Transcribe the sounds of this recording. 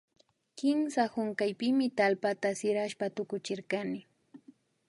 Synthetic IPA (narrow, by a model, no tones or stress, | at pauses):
kɪmsahʊŋkajpɪmɪt̪alpat̪asɪɾaʃpat̪ʊkʊt͡ʃɪɾkanɪ